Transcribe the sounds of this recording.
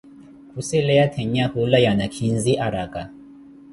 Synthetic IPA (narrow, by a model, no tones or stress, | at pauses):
kʰusɛlɛatʰɛɲahulajanakʰinziʔaɾaka